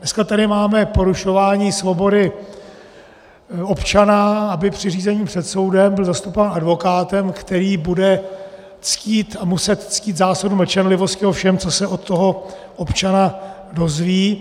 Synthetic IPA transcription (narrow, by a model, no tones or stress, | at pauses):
nɛskat̪adɪmaːmɛpo̞ɾuʃo̞vaːɲiːsvo̞bo̞dɪ | o̞pt͡ʃanaabɪpr̝̥ɪriːzɛɲiːpr̥ɛt̪so̞wdɛmbɪlzast̪upovaːnadvo̞kaːt̪ɛmkt̪ɛɾiːbudɛ | t͡sciːt̪amusɛt̪t͡sciːt̪zaːsodumɛt͡ʃɛnlɪvo̞scɪofʃɛmt͡so̞sɛo̞t̪ːo̞ɦo̞ | ʔopt͡ʃana | do̞zviː